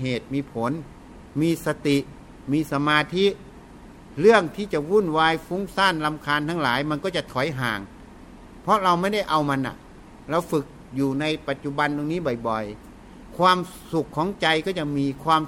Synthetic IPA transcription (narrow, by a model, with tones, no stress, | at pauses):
ɦeː˨˩t̪̚miː˧pʰo˨˦n | miː˧sa˧t̪i˨˩ | miː˧˥sa˧maː˧t̪ʰi˧˥ | ɾɯ˥˩əŋt̪ʰiː˧˩t͡ɕa˨˧˩wuː˧˥˨nwaː˧jfu˧˥ŋsaː˧˥˩nla˧mkʰaː˧nt̪ʰaː˧˥˩ŋlaː˨˦jma˧nkɔː˧˩t͡ɕa˨˩t̪ʰɔ˨˦jɦa̰ː˨˩ŋ | pʰɔ˧˥ɾa˧wma˧˥˩nda˥˩jʔa˧wma˧nːa̰˨˩ | ɾa˧wfɯ˨˩k̚ | juː˨˩na˧jpa˨˩t̪̚t͡ɕu˧˨ba˧ndo˧ŋniː˦˥˨bɔ˨˩jbɔ˨˩j | kʰwaː˧msu˨˩kʰːɔː˨˦ŋt͡ɕa˧jkɔː˧˩t͡ɕa˧˩miː˧kʰwaː˧m